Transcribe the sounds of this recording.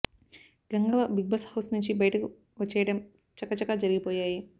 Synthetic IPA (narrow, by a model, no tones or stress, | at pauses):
ɡɐŋɡɐʋɐbiɡ̚bɐshɐwsnuɲt͡ʃibɐjɐʈɐku | ʋɐt͡ʃːɛːjɐɽɐm | t͡ʃɐkːɐt͡ʃɐkaːd͡ʒɐɾiɡipoːjaːji